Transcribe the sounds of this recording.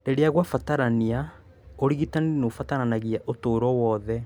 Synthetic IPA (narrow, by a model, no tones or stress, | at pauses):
deɾeaɣwafataɾania | oɾiɣitaninofataɾanaɣiaʔotoːɾɔwɔðɛ